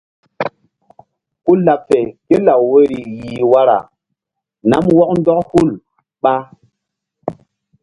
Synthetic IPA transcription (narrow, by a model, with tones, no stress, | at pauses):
ku˦la˨p̚fe˨ke˦la˨wwe˦ɾi˨ji˨wa˦ɾa̰˨ | na̰˦mwɔ˦k̚ndɔ˦khu˦˨l | ɓa˦